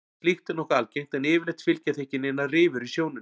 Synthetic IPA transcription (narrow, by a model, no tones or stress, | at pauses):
flixt̪ʏnɔhkaalcejŋ̥t̪ɛnɪːvɪɾlejt̪fɪlcaθehcɪnenːarɪːvʏɾisjoːwnɪ